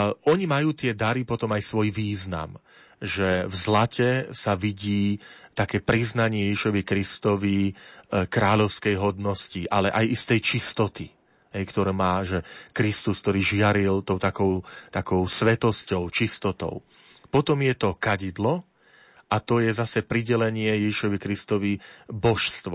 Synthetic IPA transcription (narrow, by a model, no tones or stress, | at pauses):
ɔɲimajuːt̪ɪɛd̪aɾipɔt̪ɔmajsʋɔjʋiːzna̰m | ʒɛvzlacɛsaʋiɟiːt̪akɛːpɾiznaɲɪɛjɛʒiʃɔʋikɾist̪ɔʋi | kɾaːʎɔʊskɛjɦɔd̪nɔsciʔalɛʔajist̪ɛjt͡ʃist̪ɔt̪i | ɦɛjkt̪ɔɾɛːmaːʒɛkɾist̪usk̚t̪ɔɾiːʒɪaɾilt̪ɔʊt̪akɔʊt̪akɔʊsʋɛt̪ɔscɔʊt͡ʃist̪ɔt̪ɔ̰ʊ | pɔt̪ɔmjɛt̪ɔkaɟid̪lɔ | ʔat̪ɔjɛzasɛpɾiɟɛlɛɲɪɛjɛʒiʃɔʋikɾist̪ɔʋibɔʃst̪ʋɔ